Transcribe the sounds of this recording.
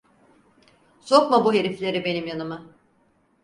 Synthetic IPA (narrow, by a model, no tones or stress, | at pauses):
so̞kmabuɦe̞ɾiflʲe̞ɾibe̞nimjanɯmɯ